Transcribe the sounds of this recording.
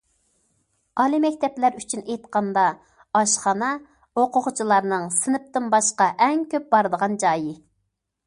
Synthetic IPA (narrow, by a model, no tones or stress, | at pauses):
ɑlˠimɛkʲt̪ʰɛplæɾyt͡ʃʰynejt̪qʰɑnd̪ɑ | ɑʃχɑnɑ | oqʰʊʁʊt͡ʃʰilˠɑɾnɨŋsɨnɨp̚t̪ɨnbɑʃqɑʔɛŋkʲøp̚bɑɾd̪əʁɑnd͡ʒɑːjɪ